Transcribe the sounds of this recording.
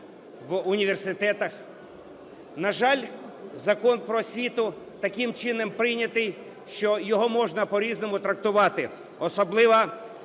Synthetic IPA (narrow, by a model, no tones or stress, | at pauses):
ʋʊnʲiʋe̞rsɪt̪ɛt̪ɐx | nɐʒɑlʲzɐkɔnpɾɔsʲʋʲit̪ʊ | t̪ɐkɪmt͡ʃɪnɛmpɾɪjnʲɐt̪ɪj | ʃt͡ʃɔjɔɦɔmɔʒnɐpɔɾʲiznɔmʊt̪ɾɐk̚t̪ʊʋɑt̪ɪ | ɔsɔblˠɪʋɐ